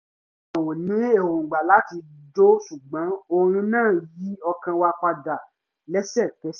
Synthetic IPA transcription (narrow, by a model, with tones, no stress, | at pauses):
a˨wo˨nĩ˨˦e˦˨ho˨ɡ͡ba˨la˨˦ti˧d͡ʒo˦su˨ɡ͡bã˨˦o˧ɾ̃ũ˧nãː˦˨ji˨˦ɔ˧kã˧wa˧k͡pa˧ɡa˨ | lɛ˦sɛ˦˨kɛ˦